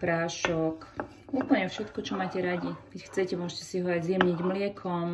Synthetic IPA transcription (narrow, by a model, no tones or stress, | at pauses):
pɾaːʃɔk | uːpl̩ɲɛfʃɛt̪kɔt͡ʃɔmaːcɛɾaɟikɛcxt͡sɛcɛmʊɔʒɛcɛsiɦɔajzjɛmɲiɟmlɪɛkʰɔm